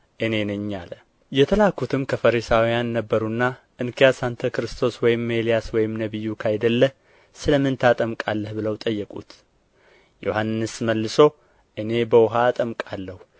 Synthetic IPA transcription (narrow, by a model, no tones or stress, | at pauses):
ʔɨne̞nɨɲːalə | jɛt̪ʰəlakʰːut̪ʰɨmkʰəfəɾisawijanːəbːəɾunːaʔɨnkʰijasant̪ʰəkɾɨst̪ʰo̞swɔjɪmːe̞lijaswɔjɪmnəβɨjːukʰajd̪əlːəh | sɨləmɨnt̪ʰat̪ʼəmkʼalːəhbɨləwt̪ʼəjːɛkʼṵt̪ | jo̞hanːɨsməlːɨso̞ | ʔɨne̞bəwʊɦaːt̪ʼəmkʼalːəhu